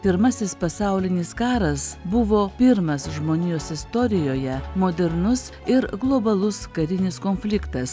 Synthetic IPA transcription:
pʲɪɾmɐsʲɪspɐsɑʊlʲɪnʲɪskɑːɾɐsbʊʋoːpʲɪɾmɐsʒmoːnʲijoːsɪst̪oːɾʲɪjoːjɛmoːd̪ʲɛɾnʊs | ɪɾɡlˠoːbɐlˠʊskɐɾʲɪnʲɪskoːnʲfʲlʲɪkt̪ɐs

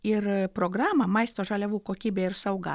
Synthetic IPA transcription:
ɪɾpɾoːɡɾɑːmɐmɐɪst̪oːʒɐlʲɛʋuːkoːkʲiːbʲeːɪɾsɐʊɡɐ̰

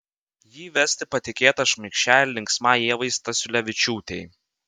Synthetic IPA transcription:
jiːʋʲɛsʲt̪ʲɪpɐt̪ʲɪkʲeːt̪ɐʃʲmʲɪkʃʲt͡ʃʲæːlʲlʲɪŋksmɑːeːʋɐɪst̪ɐsʲʊlʲɛʋʲɪt͡ʃʲuːt̪ʲɛɪ

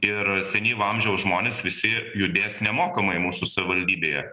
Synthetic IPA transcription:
ɪɾsʲɛnʲiːʋɐmʲʒʲɛʊsʒmoːnʲeːsʋʲɪsʲɪjʊd̪ʲeːsnʲɛmoːkɐmɐɪmuːsʊsɐʋʲɪʋɐlʲd̪ʲiːbʲeːjɛ

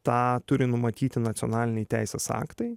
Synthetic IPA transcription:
t̪ɑːt̪ʊɾʲɪnʊmɐt̪ʲiːt̪ʲɪnɐt̪sʲonɑːlʲɪnʲɛjt̪ʲæɪsʲeːsɑ̰ːkt̪ɐɪ

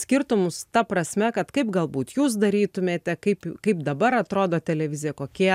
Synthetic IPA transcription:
sʲkʲɪrt̪ʊmʊst̪ɐpɾɐsʲmʲɛkɐt̪kɐɪpɡɐlˠbuːt̪juːs̬d̪ɐɾʲiːt̪ʊmʲeːt̪ʲɛkɐɪpkɐɪpd̪ɐbɐɾɐt̪ɾoːd̪oːt̪ʲɛlʲɛʋʲɪzʲɪjɛkoːkʲi

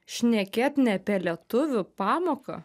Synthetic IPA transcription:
ʃʲnʲɛkʲeːt̪nʲɛpʲɛlʲɛɛt̪ʊʋʲʊpɑːmoːkɐ̰

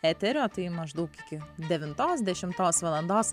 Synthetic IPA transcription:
æt̪ʲɛɾʲoːt̪ɐɪmɐʒd̪ɐʊkɪkʲɪd̪ʲɛʋʲɪnt̪oːsd̪ʲɛʃʲɪmt̪oːsʋɐlˠɐnd̪oːs

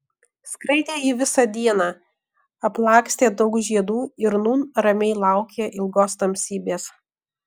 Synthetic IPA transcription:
skɾɐɪt̪ʲeːiːʋʲɪsɑd̪ʲiɛnɑː | ɐplˠɑːksʲt̪ʲeːd̪ɒʊkʒʲiɛd̪uːɪɾnuːnɾɐmʲɛɪlˠɑˑʊkʲeʔɪlˠɡoːst̪ɐmʲsʲiːbʲeːs

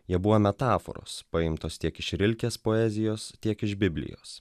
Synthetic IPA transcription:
jiɛbʊʋomʲɛt̪ɑːfo̰ɾo̰ːspɐɪmt̪oːst̪ʲiɛkɪʃɾʲɪlʲkʲeːspoːɛzʲɪjoːst̪ʲiɛkɪʒbʲɪbʲlʲɪ̰jo̰ːs

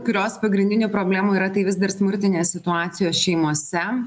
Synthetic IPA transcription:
kʊɾʲoːspɐɡɾʲɪnʲd̪ʲɪnʲʊːpɾoːbʲlʲæːmuːiːɾɐt̪ɐɪʋʲɪzd̪ɐɾsmʊɾʲt̪ʲɪnʲeːssʲɪt̪ʊɑːt̪sʲɪjoːsʃʲɛɪmuɔsʲɛ

